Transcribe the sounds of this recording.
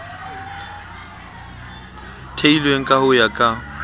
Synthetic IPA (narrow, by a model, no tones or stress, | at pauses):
tʰeilweŋ̩kʼahʊjakʼa